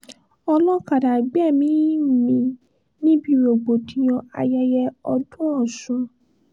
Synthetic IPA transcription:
ɔ˧lɔ̃˦ka˨da˨ɡ͡bɛ˦˨mĩ˨˦˨mĩ˧ | nĩ˦bi˦˨ɾo˨ɡ͡bo˨tĩ˨j̃ɔ̃˧a̰˧ja˧jɛ˧ɔ˧dũ˦ɔ˦˨sũ˧˦

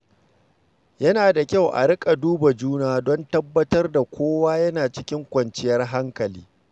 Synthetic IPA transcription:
jɐ˦naː˨da˨kʲa˦˨wʔa̰˨ɾɪ˦kʼa˨duː˦ba˨d͡ʒuː˦naː˦dɔ˦ntɐ˦bːɐ˦tɐ˦rda˨kʷʰoː˦waː˦jɐ˦naː˨t͡ʃɪ˦kʲɪ˦ŋkʷɐ˨nt͡ʃɪ˦jɐ˦rɦa˦ŋkɐ˨liː˦

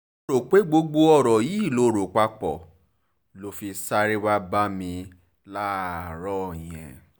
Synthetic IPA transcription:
o˧ɾo˨k͡pe˨˦ɡ͡bo˧ɡ͡bo˧ɔ˦˨ɾɔ˨ji˨˦˨lo˧˦ɾo˨k͡pa˧k͡pɔ̰˨ | lo˧fi˧sa˦ɾe˦wa˦ba˦mĩ˧ | la˦˨ɾɔ˦˨j̃ɛ̰̃˨

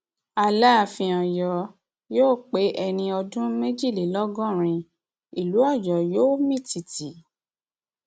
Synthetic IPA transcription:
a˧la˦˨fĩ˧ɔ̃˨jɔ˨ | joː˦˨k͡pe˨˦ʔɛ˧nĩ˧ɔ˧dũ˦me˦d͡ʒi˦˨li˨˦lɔ˦ɡɔ̃˦˨ɾ̃ĩ˧ | i˨lu˨˦ɔ˦˨jɔ˨joː˦mĩ˦˨ti˨ti˨˦

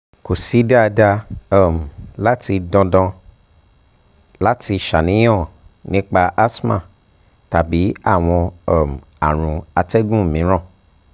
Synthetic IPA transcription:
ko˨si˨˦da˦a˧da˧a˦˨m˨la˦ti˧dɔ̃˧dɔ̃˧ | la˦ti˧ʃa˨nĩ˨˦j̃ɔ̃˦˨nĩ˦k͡pa˧ʔa˦smã̰˦˨ | ta˨bi˨˦a˦˨w̃ɔ̃˧ɔ˦˨m˨a̰˨ɾ̃ũ˧a˧tɛ˦ɡũ˦˨mĩ˨˦ɾ̃ɔ̃˦˨

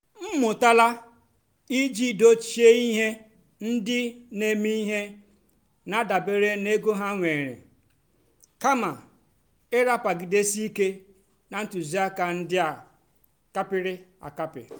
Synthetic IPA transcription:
m̩˦mʊ˨ta˦la˦ | i˦d͡ʒi˦do˦t͡ʃe˦i˦ɦe˦ | n̩˦dɪ˦ne˦mi˦i˦ɦe˦ | na˨da˨be˦ɾe˦ne˦ɡo˦ɦa˦ŋʷe˨ɾḛ˨ | ka˦ma˨ | ɪ˦ɾa˦pa˨ɡɪ˨de˦si˦i˦ke˦ | na˨n̩˦tu˨zi˨˦a˦ka˨n̩˦dɪ˦a˨ | ka˦pɪ˦ɾɪ˦a̰˨ka˦pɪ̰˨

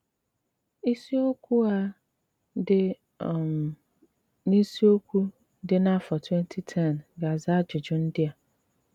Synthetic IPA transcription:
i˦si˦o˦kʰu˦a˦ | dɪ˦˨ | m | nĩ˦si˦o˦kʰu˦ | dɪ˦nã˦fɔ˨tʰwɛ̃˦ntʰi˦tʰɛ̃˦˨nɡa˨za˦d͡ʒɪ˨d͡ʑʊ̃˦n̩˦dɪ˦a˨

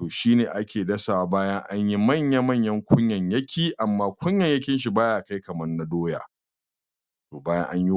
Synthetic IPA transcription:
toː˨ʃiː˦neː˨ʔa˦kʲeː˨dɐ˦saː˨wa˨baː˦jɐ˦ŋʔa˦ɲji˦mɐ˦˨ɲja˦mɐ˦˨ɲjɐ˦ŋkʷʰʊ˦ɲjɐ˨ɲjɐ˦kʲʰiː˦˨ʔa˨mːaː˦kʷʊ˦ɲjɐ˨ɲjɐ˦kʲɪ˦nʃ̬i˨baː˦jaː˨ka˦jkɐ˨mɐ˦rnɐ˦doː˦ja̰ː˨ | toː˨baː˦jɐ̰˦ŋʔa˦ɲji˦

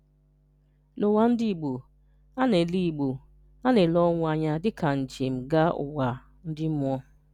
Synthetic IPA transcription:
lo˨wa˨˦n̩˦di˦˨ɡ͡bu˨ | a˦ne˨li˦˨ɡ͡bu˨ | a˦ne˨lɔ˦ŋʷa˨ɲa˦dɪ˦ka˨n̩˨d͡ʒe˨m̩˨ɡa˦ʊ̰˨wa˨ | n̩˦dɪ˦m˦ɔ˦

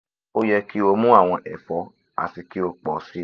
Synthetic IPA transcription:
o˦jɛ˧ki˦o˧mũ˦a˦˨w̃ɔ̃˧ʔɛ˨fɔ˨˦ | a̰˨ti˨ki˦o˧k͡pɔ˨˦si˦

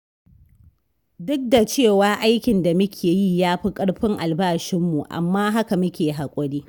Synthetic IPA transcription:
dʊ˦k̚da˨t͡ʃeː˦˨waː˨ʔa˦jkʲɪ˨nda˨mɐ˦kʲʰeː˨ji˦˨jaː˦ɸi˦kʼɐ˦ɽɸɪ˦ŋʔa˨lbaː˦˨ʃɪ˦mːu˨ʔa̰˨mːaː˦ɦa˦ka˨mʊ˦kʲeː˨ɦa˨kʷʼɔ˦ɽiː˦

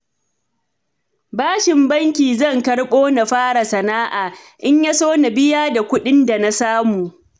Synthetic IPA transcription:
baː˦ʃɪ˨mbɐ˦ŋkʲiː˨zɐ˦˨ŋkɐ˦rɓoː˦na˨ɸaː˦ɽa˨sɐ˨naː˦ʔaː˨ʔɪ˦ɲja˦soː˦na˨bɪ˦jaː˦da˨kʷʊ˦ɗɪ˦nda˨na˦saː˦muː˨ʔ

